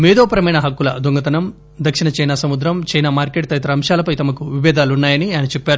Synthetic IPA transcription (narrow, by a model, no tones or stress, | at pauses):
mɛːd̪ɔːpɐɾɐmɐjnɐɦɐkːulɐd̪uŋɡɐt̪ɐnɐm | d̪ɐkʂinɐt͡ʃɐjnaːsɐmud̪ɾɐmt͡ʃɐjnaːmaːɾkeːʈ̚t̪ɐjt̪ɐɾɐːmʃaːlɐpɐjt̪ɐmɐkuʋiʋɛːd̪aːlunːaːjɐnianɐt͡ʃepːaːɾu